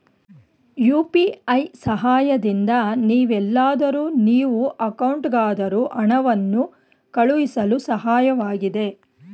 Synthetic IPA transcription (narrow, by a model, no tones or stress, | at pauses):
juːpiɐjsɐɦaːjɐd̪ind̪ɐniːʋɛlːaːd̪ɐɾuːniːʋuʔɐkɐwɳʈɡaːd̪ɐɾuːʔɐɳɐʋɐnːu | kɐɭuʋisɐlusɐɦaːjɐʋaːɡid̪e̞